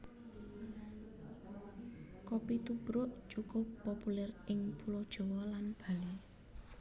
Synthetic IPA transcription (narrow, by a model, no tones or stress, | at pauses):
kopit̪ubɾʊʔʒ̥ukɔpɔpulɛrɪŋpulɔd̥ʒ̥ɔ̤wɔlanb̥a̤le